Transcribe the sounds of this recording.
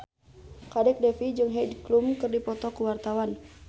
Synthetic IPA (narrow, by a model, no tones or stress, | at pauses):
kadɛk̚dɛfid͡ʒɨŋɦɛdklumkɨrdipɔt̪ɔkuwart̪awan